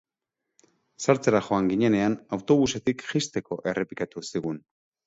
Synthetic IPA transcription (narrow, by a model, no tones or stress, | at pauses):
saɾt͡seɾaxo̞aŋɡiɲe̞ne̞anawt̪o̞βuse̞t̪ikʝist̪e̞ko̞ʔe̞re̞pikat̪usiɣun